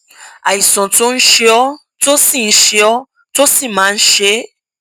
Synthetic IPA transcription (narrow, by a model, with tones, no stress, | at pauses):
a˨i˨sɔ̃˨to˦n̩˦ʃe˧ɔ˦ | to˦si˦˨n̩˦ʃe˧ɔ˦ | to˦si˦˨mãː˨˦˧ʃe˦